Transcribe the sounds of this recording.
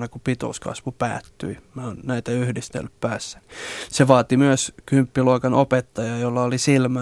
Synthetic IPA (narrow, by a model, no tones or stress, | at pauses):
nɑkupit̪ṵːskɑ̰sʋupæ̰ːt̪ːy̰imæonnæit̪æyhdist̪ḛlːyppæːsːæ̥ni̥seʋɑːt̪imyøskympːiluɑkɑnʔopet̪ːɑjɑjolːɑolisilmæ